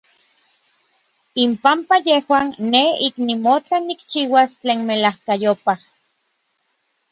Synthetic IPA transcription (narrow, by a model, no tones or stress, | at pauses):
impampajehwaːnːeiknimot͡ɬanːikt͡ʃiːwast͡ɬeːnmelahkajopah